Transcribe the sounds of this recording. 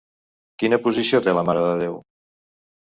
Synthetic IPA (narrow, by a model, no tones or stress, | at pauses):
kinəpuzisiot̪eləmaɾəðəðew